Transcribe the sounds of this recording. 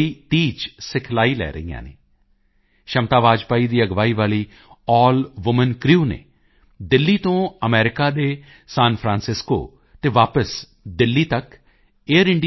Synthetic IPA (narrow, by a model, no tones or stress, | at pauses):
iːt̪iːt͡ʃsɪkʰlaːiːlɛ̰ːɾə̰ɦijã̰ːnḛː | ʃəmt̪aːʋaːd͡ʒpaːiːd̪iːəɡʋaːiːʋaːliː | ɔːlʋʊmənkɾiuːnḛː | d̪ɪlːiːt̪õːəmɛːɾɪkaːd̪eː | saːnpʰɾãːnsɪsko̰ː | t̪eːʋaːpəs | d̪ɪlːiːt̪ək | eːəɾɪɳɖ